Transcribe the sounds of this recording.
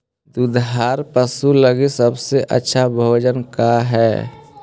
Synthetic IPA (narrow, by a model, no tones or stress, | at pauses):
d̪ud̪ɦaːɾpəsuləɡisəbseʔə̰tːʃʰabʱəd͡ʒənkaɦɛː